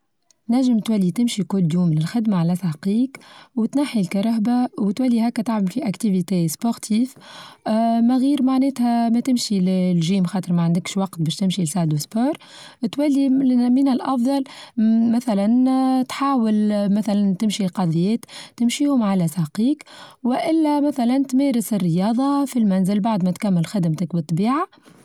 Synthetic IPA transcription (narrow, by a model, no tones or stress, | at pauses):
næʒːəmt̪wælːit̪ɪmʃikʊlːjuːmlɪlxɪd̪maʕalæsɑqiːkwt̪naħilkɑɾˤɑɦbawt̪wælːihæːkːæt̪aʕmɪlfiʔækt̪ivit̪eːspoɾt̪ʰiːf | mæɣiːɾmaʕnɛːt̪hæmæt̪ɪmʃillʒiːmxɑːt̪ˤəɾmæʕand̪ɪkʃwɑqt̪̚bɛːʃt̪ɪmʃilsaʕd̪uspoːɾˤ | t̪wælːimənɪlʔɑfd̪ˤɑlmæθælænt̪ħaːwɪlmæθælænt̪ɪmʃilqɑðˤjɛːt̪t̪ːɪmʃiːhʊmʕalæsɑqiːkwɪʔɪlːæmæθælænt̪mɛːɾɪsɪrːəjɑːðˤɑfilmænzɪlbaʕd̪mɛt̪kæmːɪlxɪd̪mt̪əkbɨt̪ˤːbiːʕa